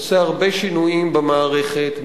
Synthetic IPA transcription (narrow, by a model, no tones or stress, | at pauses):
seaʁbeʃinuimbemaːʁe̞χet̪n